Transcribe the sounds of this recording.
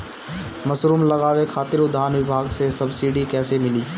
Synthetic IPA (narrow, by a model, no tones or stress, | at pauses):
mɐsɾuːmlɐɣaːwekʰaːt̪ɪɾʊd̪ʱːaːnʋɪbʱaːɡsesɐbsiːɖikɛːsemɪliː